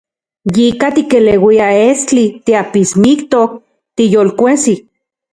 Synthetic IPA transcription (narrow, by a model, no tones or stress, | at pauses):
jikat̪ikelewiaest͡ɬit̪iapismikt̪ok̚ | t̪ijolkʷesi